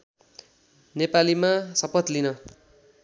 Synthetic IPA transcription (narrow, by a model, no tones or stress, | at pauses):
nepalimasʌpʌt̪linʌ